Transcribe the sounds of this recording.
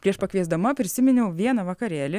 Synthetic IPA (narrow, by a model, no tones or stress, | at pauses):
pʲɾʲiɛʃpɐkʋʲiɛzd̪ɐmɐpʲɾʲɪsʲɪmʲɪnʲɛʊʋʲiɛnɐʋɐkɐɾʲæːlʲɪ